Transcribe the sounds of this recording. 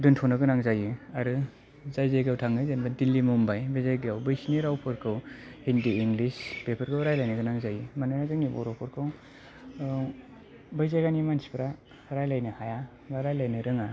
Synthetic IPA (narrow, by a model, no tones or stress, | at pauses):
duntʰɔnaɡɯnaŋzajuaɾɯ | zajzajɡawtʰaŋːɯzenbadilːimumbajbajzajɡawbɯjsiniɾawpʰɔɾkʰɯwhindiiŋɡlispepʰɯɾkʰɯwɾajlajnɯɡɯnaŋzajimanunazɯŋnibɔ̰ɾopʰɔɾkʰɯw | bɯjzajɡanimansi̥pʰɾa | ɾajlajnɯhaja | baɾajlajnɯɾɯŋa